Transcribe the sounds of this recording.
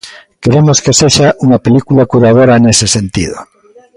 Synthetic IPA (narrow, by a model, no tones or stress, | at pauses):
keɾemoskeseʃaʔuŋape̞likulakuɾað̞oɾaenesesẽnt̪ḭðo̰